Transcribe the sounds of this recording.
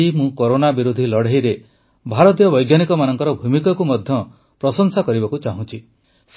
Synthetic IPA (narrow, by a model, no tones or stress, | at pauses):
imũkoɾonabiɾud̪ʱilɔɽ̤eɦijɾe | bʱaɾɔt̪̬jɔbɔjɡjanikɔmanɔŋkɔɾɔbʱumikɔkumɔd̪ʱjɔ | pɾɔsɔŋsakɔɾibɔkut͡ʃaɦũt͡ʃʰi | s